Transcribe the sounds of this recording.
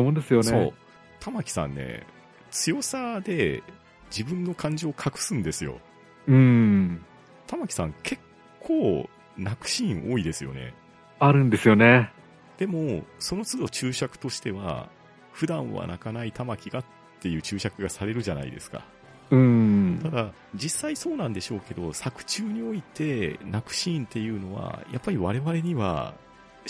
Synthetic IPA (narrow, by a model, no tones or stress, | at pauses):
omõnd̪esɨjoneoː | t̪ʰamakʲi̥sã̰nːe̞̰ | t͡sɨjo̞sad̪e̞ | d͡ʑibɯ̟̃nːo̞kʰãɲ̟d͡ʑo̞ːkʰakɯ̟̥sɨ̃nd̪e̞sɨjo̞̰ | ɯ̟̃ | t̪amakʲi̥sãŋkʰe̞kʰː | oː | nakɯ̟̥ɕĩʔo̞ːid̪e̞sɨjo̞̰ne̞̰ | aɾɯ̟̃nd̪e̞sɨjo̞ne | d̪̥e̞moso̞no̞t͡sɨd̪o̞t͡ɕɨːɕakɯ̟̥t̪o̞ɕi̥t̪e̞βa̰ | ɸɯ̟d̪ãɰ̃βa̰na̰kanait̪amakʲiɡat̪ːe̞jɯ̟ːt͡ɕɨːɕakɯ̟ɡasaɾe̞ɾɯ̟ʑana̰ḭd̪e̞̰sɨ̥ka̰ | ɯ̟̃ɴt̪ad̪a | d͡ʑisːaiso̞ːnãnd̪e̞ɕo̞ːke̞d̪o̞sakɯ̟̥t͡ɕɨːɲ̟io̞it̪e̞nakɯ̟̥ɕĩːnt̪e̞jɯ̟ːno̞βa̰ja̰pːaɾʲiβaɾe̞βaɾe̞ɲ̟iβa̰